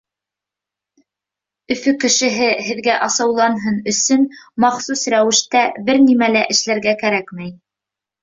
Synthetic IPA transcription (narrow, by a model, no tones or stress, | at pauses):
ɵ̆fɵkɘ̆ʃɘ̆ɦɘhɘ̆ðɡæʔɑsɑwlˠɑnɦɤnɵ̆sɵnmɑχsusɾæwɘ̆ʃt̪æbɘɾnimælæʔɘ̆ʃlæɾɡækæɾækmæj